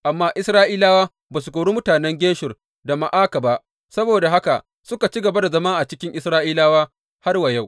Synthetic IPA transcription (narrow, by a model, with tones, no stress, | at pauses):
ʔa˨mːaː˦ʔɪ˦sɾaː˦ʔiː˦laː˦waː˦ | baː˨s̬u˨kʷoː˨ɽu˦mʊ˦taː˨nɛ˦ŋɡʲeː˦ʃʊ˨r | da˨ma˨ʔaː˦ka˨ba˦ʔ | sɐ˦boː˨da˨ɦa˦ka˨ʔ | sʊ˦ka˨t͡ʃi˦ɡɐ˨ba˦da˨zɐ˦ma˦ŋʔa˨t͡ʃɪ˦kʲɪ˦ŋʔɪ˦sɾaː˦ʔiː˦laː˦waː˦ | ha˦rwa˨ja˦˨w